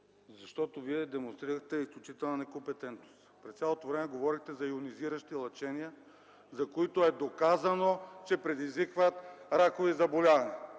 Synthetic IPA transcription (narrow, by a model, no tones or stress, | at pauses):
zɐʃt̪ɔt̪oviɛd̪ɛmonst̪ɾiɾəxt̪ɛisklʲut͡ʃit̪ɛlˠnɐnɛkompɛt̪ɛnt̪nost̪pɾɛst̪sʲalˠot̪ovɾɛmɛɡovɔɾixt̪ɛzɐiʊniziɾəʃt̪ilˠɐt͡ʃɛniə | zɐkoit̪oɛd̪okazɐnot͡ʃɛpɾɛd̪izvikvɐt̪ɾakovizɐbolʲavɐnɛ